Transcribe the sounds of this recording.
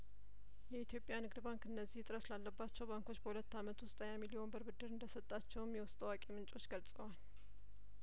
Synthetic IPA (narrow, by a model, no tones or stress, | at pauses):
jɛit̪ʰjo̞pʼjanɨɡd̪baŋkɨnːəzːiht̪ʼɨɾəslalːəbːat͡ʃːɛwbaŋko̞t͡ʃːbəhulət̪ːamət̪ʰust̪ʼəɲamilijo̞nbəɾbɨd̪ːɨɾɨnd̪əsət̪ʼːat͡ʃːɛwɨmjɛwʊst̪ʼəwakʼemɨnt͡ʃʼo̞t͡ʃːɡəlsʼəwal